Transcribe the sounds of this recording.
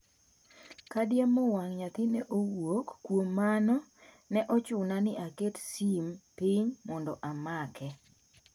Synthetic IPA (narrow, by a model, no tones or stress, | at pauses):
kadjamɔwaŋɲat̪ɪnɛʔowokːwomːanɔ | nɛʔɔt͡ʃʊnanɪʔaketsimpiɲmɔndɔʔamakʰɛ